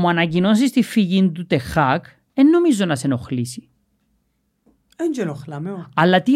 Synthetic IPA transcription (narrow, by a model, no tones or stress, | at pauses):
mːuɐnɐcino̞nsist̪ifːiʝind̪ut̪exɐk | enːomizo̞nɐseno̞xlisi̥ | ɛnd͡ʒɛnoxlɐmeɐlːɐt̪i